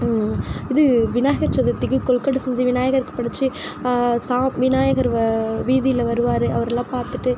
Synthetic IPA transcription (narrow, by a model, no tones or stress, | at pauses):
ɪðɯʋɪnaːjɐɣɐɾt͡ʃɐðɐt̪ːɪkːɯkɔɭkɐɽɯsɛɲd͡ʒiʋɪnaːjɐɣɐɾkːɯ̥pɐɽɯt͡ʃːɯ | saːmʋɪnaːjɐɣɐɾʋiːðɪjɪlɐʋɐɾɯʋaːɾɯɐʋɐɾɛlːãːpaːɾt̪ɯʈːɯ